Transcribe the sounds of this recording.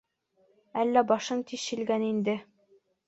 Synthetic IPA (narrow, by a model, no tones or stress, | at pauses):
ælːæbɒʃɤnt̪iʃɕĭlɡænind̪ɘ